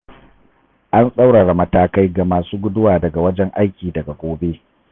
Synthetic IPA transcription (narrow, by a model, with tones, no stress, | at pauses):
ʔa˦nsʼa˦wɽaː˨ɽa˨mɐ˦taː˦ka˦jɡa˨maː˨suː˦ɡʷʊ˦dʊ˦waː˨dɐ˨ɡa˨wɐ˦d͡ʒɛ˦ŋʔa˦jkʲiː˨dɐ˨ɡa˨kʷoː˦beː˦